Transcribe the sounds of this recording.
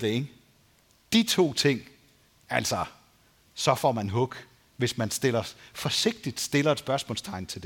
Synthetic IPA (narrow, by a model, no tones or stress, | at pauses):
d̥eŋ | d̥it͡sʰo̝̰ːt͡sʰe̝ŋ̰ | æl̰sɐ | sɒ̽fɒ̰mænɦɔ̽ɡ̥ | ʋe̝smænsd̥e̝lɐfɒ̽se̝ɡ̥̚d̥id̥sd̥e̝lɐed̥sb̥ɶɐsmɔ̰̽lst͡sʰɑ̈ɪn̩t͡sʰe̝ld̥e